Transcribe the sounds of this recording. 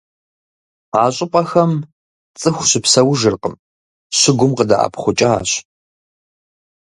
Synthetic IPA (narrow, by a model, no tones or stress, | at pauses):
aːɕʼɪpʼɐxɐm | t͡sʼɨxʷɕɪpsɐwʒɨrqəm | ɕɪɡʷʊmqəda̰ʔa̰pʰχʷʊt͡ʃʼɐa̰ːɕ